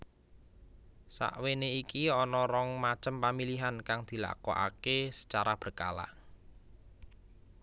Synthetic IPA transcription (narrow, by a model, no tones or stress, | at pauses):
sa̰ʔweneikiɔnɔɾɔŋmḁt͡ʃəmpamiliɦankaŋd̪̥i̤la̰kɔ̰ʔa̰kesə̥t͡ʃaɾab̥ərka̰la̰ʔ